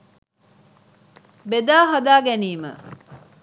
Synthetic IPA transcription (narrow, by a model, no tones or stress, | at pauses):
bed̪aːɦɐd̪aːɡæniːmə̰